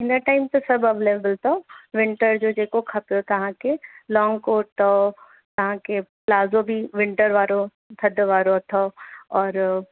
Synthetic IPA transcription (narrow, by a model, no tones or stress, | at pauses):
ɪ̃nəʈaːɪmt̪esɐbɐbleːʋbəlt̪oʋɪ̃ɳʈəɾd͡ʒoːd͡ʒeːkokʰɐpot̪ɐɦãkelɔːŋɡkoːʈ̪o | t̪ɐɦãkeplaːzobʱiʋɪ̃ɳʈəɾʋaːɾo | t̪ʰɐd̪ʋaːɾot̪ʰoɔːɾ